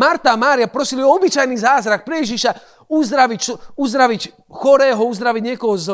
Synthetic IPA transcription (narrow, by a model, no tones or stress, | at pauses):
maɾt̪aːmaːɾiapɾɔsiliɔɔbit͡ʃajniːzaːzɾak̚pɾɛjɛʒiʃa | uzd̪ɾaʋicsuzd̪ɾaʋic | xɔɾɛːɦɔuzd̪ɾaʋiɟɲɛkɔɦɔz